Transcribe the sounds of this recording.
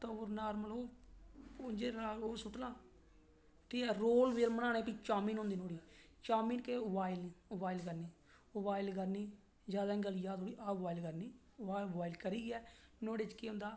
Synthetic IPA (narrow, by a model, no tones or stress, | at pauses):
t̪əʋəɾnaːɾməloː | od͡ʒeːɾaːoːsʊʈnãː | t̪iːɛːɾoːlʋeːlmənaːneːpiːt͡ʃaːmĩːnɦõːnd̪iːnoːɽiː | t͡ʃaːmiːnkeːbaːɪlniːobaːɪlkəɾniː | obaːɪlkəɾniː | zjaːd̪aːɡəlijaːd̪oːɽiːʔaːbaːilkəɾniː | aːbaːɪlkəɾiːɡɛːnoːɽeːt͡ʃkeːɦʊ̃nd̪aː